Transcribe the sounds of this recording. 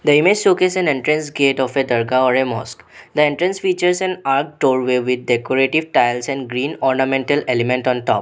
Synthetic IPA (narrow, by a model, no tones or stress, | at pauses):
d̪əimed͡ʒsukɛzɛ̃nẽɳʈɾə̃nsɡeːʈɔːfed̪əɾɡaɔɾemɔ̰ːskd̪əẽɳʈɾə̃nsfiːt͡ʃəɾsɛ̃naːɾk̚ɖoːɾʋeʋɪd̪̚ɖekoɾeʈiʋʈaɪlsɛ̃ɳɖɡɾĩːnɔːɾnamẽɳʈəlelɪmẽɳʈɔ̃nʈɔ̰ːp